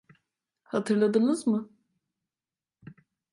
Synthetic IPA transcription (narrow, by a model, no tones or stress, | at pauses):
hat̪ʰɯɾlˠad̪ɯnɯzmɯ